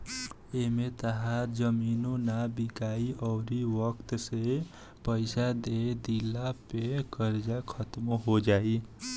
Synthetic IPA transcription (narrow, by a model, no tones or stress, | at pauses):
emet̪əɦaɾd͡ʒəminonabikaiʔəʊɾiʋəkt̪se | pəɪsad̪ed̪ilːapekəɾd͡ʒakʰət̪moɦod͡ʒai